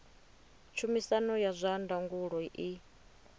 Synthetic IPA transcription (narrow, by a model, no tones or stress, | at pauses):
t͡ʃʰumisanɔjazʷandaŋɡuɺɔiʔi